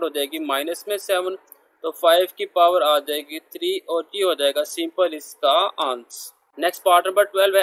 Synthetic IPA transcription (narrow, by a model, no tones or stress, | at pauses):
ɽɦoːd͡ʒaeːɡimaːɪnəsmẽsɛʋən | t̪ofaːɪʋkipaːʋəɾaːd͡ʒaeːɡit̪ʰɾiːɔːɾʈiɦoːd͡ʒaːeːɡasɪ̃mpəlɪskaãːns | nɛksʈ̚paːɾʈnə̃ɐmbəʈwɛlʋɛ